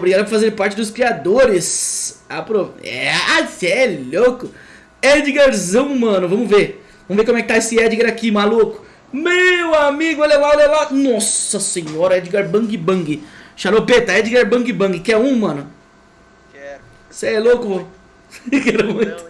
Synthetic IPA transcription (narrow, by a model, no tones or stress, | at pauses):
obɾiɡad̪ɐpʊɾfazeɾpaɾt͡ʃɪd̪ʊskɾiad̪oɾɪsapɾoɛ̰asɛlokʊ | ɛd͡ʒiɡeɾzɐ̃w̃mɐ̃nʊvɐ̃mʊveɾ | vɐ̃mʊvekomʊɛkɪt̪aesɪɛd͡ʒiɡeɾakimalukʊ̥ | mewamiɡʊelalaelelanɔsɐsẽɲɔɾɐɛd͡ʒiɡeɾbɐ̃ɡɪbɐ̃ɡɪʃaɾopet̪ɐɛd͡ʒiɡeɾbɐ̃ɡɪbɐ̃ŋɡɪkɪɛũmɐ̃nʊ | seɛlokʊvo | kɛɾʊmũj̃t̪ʊ̥